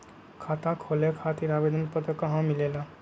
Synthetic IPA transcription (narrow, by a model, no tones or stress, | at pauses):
kʰat̪akʰolekʰat̪iɾabed̪ʱənpət̪əkəɦãmilela